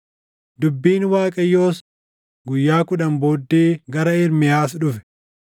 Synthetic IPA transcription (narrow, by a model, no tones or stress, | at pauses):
d̪ʊbːiːnwaːkʼɐjːo̞ːs | ɡʊjːaːkʊᶑɐmboːd̪ːiːɡɐɾɐɪɾmɪjaːs̬ᶑʊfɛ̥